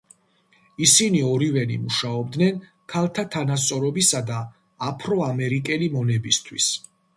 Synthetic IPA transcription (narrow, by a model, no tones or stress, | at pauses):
isiniɔɾivɛnḭmuʃaɔb̚d̪nɛn | kʰalˠt̪ʰat̪ʰanast̪sʼɔɾɔbisad̪aː | pʰɾɔamɛɾikʼɛlimɔnɛbist̪ʰwis